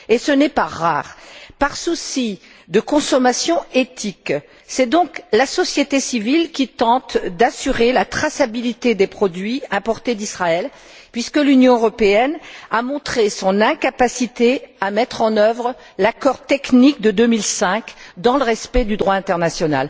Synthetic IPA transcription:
esənɛpaʁa̰ʁpaʁsusi | d̪əkɔ̃sɔmasjɔ̃et̪ik | sɛd̪ɔ̃klasɔsjet̪esivilkʲit̪ɑ̃t̪d̪asyʁelat̪χasabilit̪ed̪epχɔd̪ɥiɛ̃pɔʁt̪ed̪isχaɛl | pɥiskəlynjɔ̃øʁɔpeɛnamɔ̃t̪χesɔ̃nɛ̃kapasit̪eamɛt̪χɑ̃nœvʁ | lakɔʁt̪ɛknikd̪əd̪ømilsɛ̃kd̪ɑ̃ləʁɛspɛd̪yd̪ʁwaɛ̃t̪ɛʁnasjɔna̰l

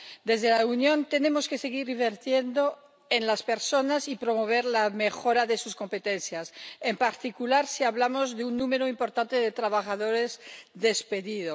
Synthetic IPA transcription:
d̪e̞zðelaunjõ̞nt̪e̞ne̞mo̞skese̞ɣ̞iɾiβeɾt̪je̞nd̪o̞ | enlaspe̞ɾso̞nasipɾo̞moβ̞e̞ɾlamexo̞ɾaðesusko̞mpet̪enθjasempaɾt̪ikulaɾsiaβlamo̞zðeunːume̞ɾoimpo̞ɾt̪ant̪eðet̪ɾaβaxaðo̞ɾezðe̞speðiðo

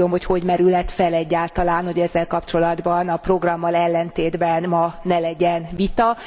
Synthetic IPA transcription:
omho̞cho̞ɟmɛɾylɛt̪fɛlɛɟːaːlt̪ɒlaːnho̞ɟɛzːɛlkɒpt͡ʃo̞lɒd̪bɒnɒpro̞ɡrɒmːɒlɛlːɛnt̪eːd̪bɛnmɒnɛlɛɟɛnvit̪ɒ

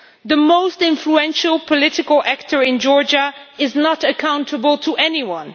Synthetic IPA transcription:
ðəmoʊstɪ̃ɱfluɛ̃nʃəl̩ˠpʰəlɪɾɨkəlˠæk̚tʰə˞ɪ̃nd͡ʒɔɹd͡ʒəɪznəɾɨkʰãʊ̃ntʰəbəlˠtʰəʔɛniwʌ̃n

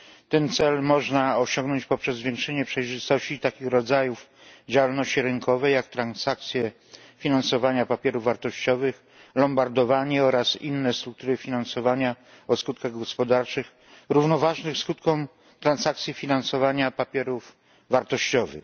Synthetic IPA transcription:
t̪ɛnt̪sɛlmɔʐnaɔɕɔ̃ŋɡnɔɲt͡ɕpɔpʂɛzːvʲjɛŋkʂɛɲɛpʂɛjʐɘst̪ɔɕt͡ɕit̪akʲixɾɔd̪zajufd͡ʑawalnɔɕt͡ɕiɾɘŋkʰɔvɛjakt̪ɾansak̚t̪sʲjɛ | fʲinansɔvaɲapapʲjɛɾuvːaɾt̪ɔɕt͡ɕɔvɘx | lɔmbaɾd̪ɔvaɲɛɔɾasḭnːɛst̪ɾuk̚t̪uɾɘfʲinansɔvaɲa | ɔskut̪̚kaɣɡɔspɔd̪aɾt͡ʂɘx | ɾuvnɔvaʐnɘxskut̪kɔ̃w̃ | t̪ɾansakt̪sʲjifʲinansɔvaɲapapʲjɛɾuf | vaɾt̪ɔɕt͡ɕɔvɘ̰x

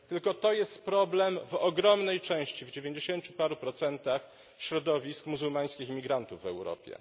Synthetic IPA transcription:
t̪ɘlkɔt̪ɔjɛst̪pɾɔblɛmvɔɡɾɔmnɛjt͡ʂɛ̃w̃ɕt͡ɕivd͡ʑevʲjeɲd͡ʑeɕeɲt͡ɕupaɾupɾɔt̪sɛnt̪ax | ɕɾɔd̪ɔvʲiskmuzulmaj̃skʲiximʲiɡɾant̪uvːɛwɾɔ̰pʲjɛ̰

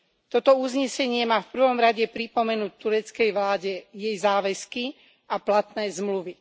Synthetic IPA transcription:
t̪ɔt̪ɔuzɲɛsɛɲɪɛmaːfpr̩ʋɔmɾaɟɛpɾipɔmɛnuːc̚t̪uɾɛt͡skɛjʋlaːɟɛjɛjzaːʋɛski | ʔaplat̪nɛːzmluʋi

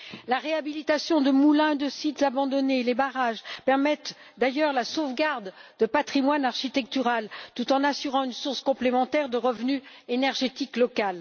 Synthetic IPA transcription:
laʁeabilit̪asjɔ̃d̪əmulɛ̃d̪əsit̪z̥abɑ̃d̪ɔnelebaʁaʒpɛʁmɛt̪ | d̪ajœʁlasovɡaʁd̪d̪əpat̪χimwanaʁʃit̪ɛk̚t̪yʁalt̪ut̪ɑ̃nasyʁɑ̃ynsuʁskɔ̃plemɑ̃t̪ɛʁd̪əʁəvny | enɛʁʒet̪iklɔkal

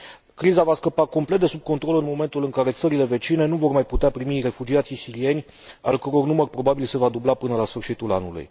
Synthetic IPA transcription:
kɾizavaskəpako̞mplet̪d̪e̞sub̚ko̞nt̪ɾo̞lɨnmo̞me̞nt̪ulɨŋkaɾe̞t̪səɾile̞ve̞t͡ʃine̞nuvo̞rmajput̪eapɾimire̞fud͡ʒiat̪sisiɾie̞nʲ | alkəɾo̞rnumərʲpɾo̞babilse̞vad̪ublapɨnəlasfɨrʃit̪ulanulṵj

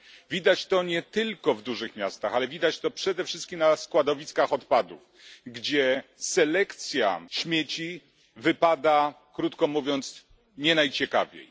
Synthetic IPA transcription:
vʲid̪at͡ɕt̪ɔɲɛt̪ɘlkɔvd̪uʐɘxmʲjast̪axalɛvʲid̪at͡ɕt̪ɔpʂɛd̪ɛfʂɘst̪kʲimnaskwad̪ɔvʲiskaxɔt̪pad̪ṵf | ɡd͡ʑɛsɛlɛkt̪sʲja̰ɕmʲjet͡ɕi | vɘpad̪a | kɾut̪kɔmuvʲjɔnt̪s | ɲɛnajt͡ɕɛka̰vʲjḛj

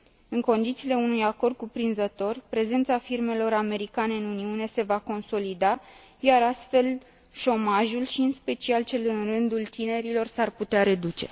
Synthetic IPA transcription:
ɨŋko̞nd̪it̪siːle̞unujako̞rd̪̚kupɾinzət̪o̞rpɾe̞ze̞nt̪safirme̞lo̞ɾame̞ɾikane̞ɨnuniune̞se̞vako̞nso̞lid̪a | jaɾast̪fe̞l | ʃo̞maʒulʃiɨnspe̞t͡ʃialt͡ʃe̞lɨnrɨnd̪ult̪ine̞ɾilo̞rsarput̪eaɾe̞d̪ut͡ʃe̞̰

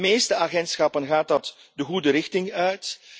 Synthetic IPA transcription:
meːstəaɣɛntsxɑpənɣaːt̚dɑt | dəɣudəɾɪxtɪŋœɥt

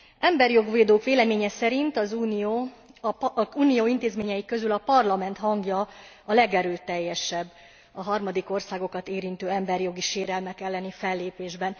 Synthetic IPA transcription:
ʔɛmbɛrjo̞ɡʋeːd̪oːkʋeːlɛmeːɲɛsɛɾint̪ɒzuːnioː | uːnijoːint̪eːzmeːɲɛjikø̞zylɒpɒrlɒmɛnt̪hɒŋɡjɒ | ɒlɛɡɛɾøːt̪ːɛjːɛʃɛbː | ɒɦɒrmɒd̪iko̞rsaːɡo̞kɒt̪eːɾint̪øːɛmbɛrjo̞ɡiʃeːɾɛlmɛkɛlːɛnifɛlːeːpeːʒbɛn

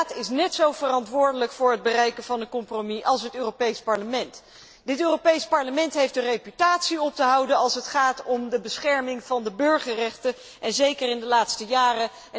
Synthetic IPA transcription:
tɪsnɛtsowvərɑntʋʊːɹdələkfʊːɹɦəd̚bərɛjkənvɑnənkɔmpromiʔɑlˠsɦətøːropejspɑɹləmɛnt | dɪtøːropejspɑɹləmɛntɦejfdərejpytaːtsiɔp̚təɦɑwdəɑlˠsɦətχaːtɔmdəbəsχɛɹmɪŋv̥ɑndəbøɹχərɛχtə | ʔɛnzejkərɪndəlaːtstəjaːrə

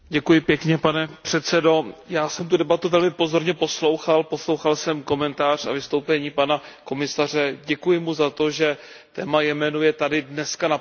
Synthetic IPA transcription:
ɟɛkujɪpjɛkɲɛpanɛpr̝̥ɛt̪t͡sɛdo̞jaːsɛmt̪udɛbat̪uvɛlmɪpo̞zo̞ɾɲɛpo̞slo̞wxalpo̞slo̞wxalsɛmko̞mɛnt̪aːr̝a̰vɪst̪o̞wpɛɲiːpanako̞mɪsar̝ɛɟɛkujɪmuzat̪o̞ʒɛ | t̪ɛːmajɛmɛnujɛt̪adɪdnɛskana

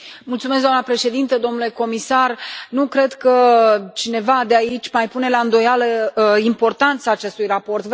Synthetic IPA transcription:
mult̪sumesɡ̪d̪anəpɾe̞ʃe̞d̪int̪əd̪o̞mnule̞ko̞misarnukɾe̞d̪kət͡ʃine̞vad̪eait͡ʃʲmajpune̞laɨnd̪o̞jaləimpo̞rt̪ant̪saːt͡ʃe̞st̪ujrapo̞rt̪v

